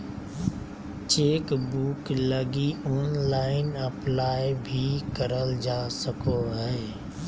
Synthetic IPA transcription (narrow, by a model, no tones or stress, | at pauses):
t͡ʃeːkbuːkləɡiɔːnlaːɪnəplaːɪbʱikəɾəld͡ʒaːsəkʰoɦɛː